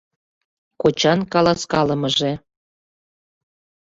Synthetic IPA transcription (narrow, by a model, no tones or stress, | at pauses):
kot͡ɕɑnkɑlɑskɑləməʒe